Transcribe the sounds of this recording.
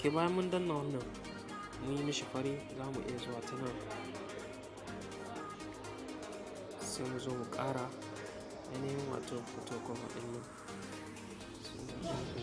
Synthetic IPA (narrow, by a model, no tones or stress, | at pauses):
kʲebaːjamːundɐnːana | mujimiʃiɸaɾizamuʔḭjazowatana | semuzomukʼaːɾa | ja̰naminwa̰toputokoma̰ɗɪnːa | soaa